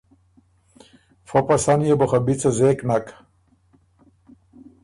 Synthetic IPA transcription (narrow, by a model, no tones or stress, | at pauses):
fopasanjeboχabit͡sɐzeknak